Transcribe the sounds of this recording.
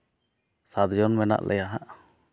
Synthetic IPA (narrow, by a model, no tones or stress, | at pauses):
sad̪d͡ʒɔnmɛna̰ʔlʔɛ̰jaɦaʔ